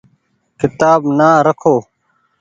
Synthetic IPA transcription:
kɪt̪aːbnaːɾəkʰoː

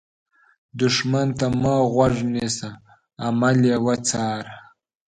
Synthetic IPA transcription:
d̪ʊʂmant̪amɑːɣwaʐnesaː | malewat͡sɑːɾ

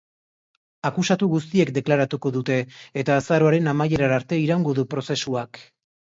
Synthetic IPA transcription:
akusat̪uɣust̪ie̞kd̪e̞klaɾat̪uko̞ðut̪e̞ːt̪aːsaɾo̞aɾe̞namaje̞ɾaaɾt̪e̞iɾaŋɡo̞ðupɾo̞se̞suak

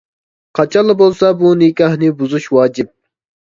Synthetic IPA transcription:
qʰɑt͡ʃʰɑlˠːɨbolˠsɑbunɪkʲɑhnɨbuzuʃwɑːd͡ʒɪp̚

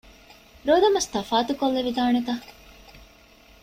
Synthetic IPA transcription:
ɾoːd̪ɐmɐst̪ɐfaːt̪ukolːeʋid̪aːnet̪ɐ

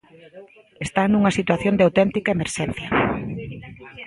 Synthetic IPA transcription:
est̪anuŋɐsit̪waθjõnd̪eawt̪ɛnt̪ikaemeɾʃɛn̟θjɐ

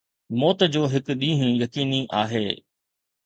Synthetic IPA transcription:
mɔːt̪d͡ʑoːɦɪk̆ɗĩːɦɪ̃jɐkiːniʔaːɦḛː

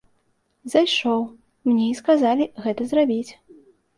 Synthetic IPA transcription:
zajʂɔw | mnʲɛiskazalʲiɣɛt̪ɐzrabʲit͡sʲ

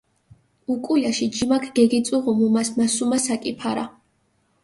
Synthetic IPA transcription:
ukʼulaʃid͡ʒimakʰɡ̥ɛɡit̪sʼuʁumumasmasumasakʼipʰaɾa

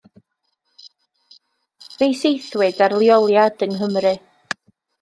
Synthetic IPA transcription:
vejsejθwɨdarlˠjɔlˠjadənɦəmrɨ

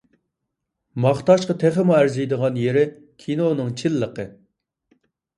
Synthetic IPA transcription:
mɑχt̪ɑʃqɑt̪ʰeχəmuæɾzɪjd̪əʁɑnjeɾɪ | kʲʰinonɨŋt͡ʃʰilːəqə

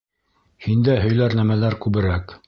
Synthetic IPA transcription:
hind̪æɦɵ̆jlæɾnæmælæɾkʉβɘ̆ɾæk

